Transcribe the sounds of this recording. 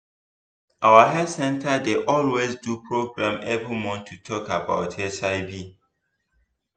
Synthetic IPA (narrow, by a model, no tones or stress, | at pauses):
ʔawəɦɛsɛ̃ntʰədeʔɔlwezdupʰɹoɡɹãmebəmɔ̃ntʰutʰɔkabaʊtʰɛsaɪbi